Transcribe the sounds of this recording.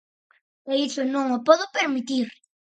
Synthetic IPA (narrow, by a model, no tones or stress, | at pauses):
eisʊnõŋopɔðʊpeɾmit̪iɾ